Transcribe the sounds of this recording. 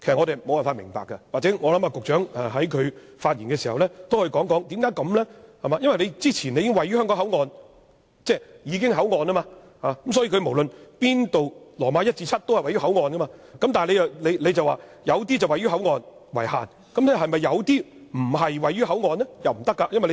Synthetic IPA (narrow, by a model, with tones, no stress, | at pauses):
kʰe˨˩sɐ˨ŋɔː˨˧t̪e˨jmo˨waː˨nfaː˧t̚mɪ̰˨˩ŋpa̰ː˨kːɐ˧waː˨k̚t͡sɛː˨˥ŋɔː˨˧lɐ˨˥maː˧kʊ˨k̚t͡ʃœː˨˥ŋɛ˨ɦɐ˨˥jkʰɵ˨˧ɥ | faː˧t̚jiː˨˩nkɛː˧si˨˩hɐ˨wlɛː˥t̪o˥whɵ˧kɔː˨˥ŋkɔː˨˥ŋt̪iː˨˥mkaː˨˥jkɐ˨˥mlɛ˥hɐ˨maː˧˦jɐ˥nwɐ˨jle˨˧jt͡siː˥t͡sʰiː˨˩ne˨˧jkɪ˥ŋwɐ˨jyː˥hœː˥ŋkɔ˨˥ŋɦɐ˨˥wŋɔː˨˧n | t͡sɛː˥˩jiː˨˧kɪ˥ŋɦɐ˨˥wŋɔː˨˧nɐ˥maː˧ | haː˨kɐ˦ms̬ɔː˨˥jiː˧kʰɥmo˨˩wlə˨˧npiː˥nt̪o˨wlɔː˨˩maː˨˧jɐ˥t̚t͡siː˧t͡sʰɐ˥t̚t̪o˥whɐ˨jwɐ˨jɥyː˥ɦɐ˨˥wŋɔː˨˧nkɐ˥maː˧kɐ˨˥mt̪aː˨le˨˧jɐ˨le˨˧jle˨˧jt͡sɐ˨waː˨˩jɐ˨˧wt̪̬iː˥t͡sɐ˨wɐ˨jɥyː˥ɦɐ˨˥wŋɔː˨˧nwɐ̰˨˩jha̰ː˨n | kɐ˨˦mtɛ˥ɦɐ˨jmɐ˨jːɐ˨˧wt̪iː˥m̩˨˩ɦɐ˨jwɐ˨jːyː˥hɐ˨˥wŋɔː˨˧nlɛ˥jɐ˨wm̩˨˩t̪ɐ˥kːaː˧jɐ˥nwɐ˨jle˧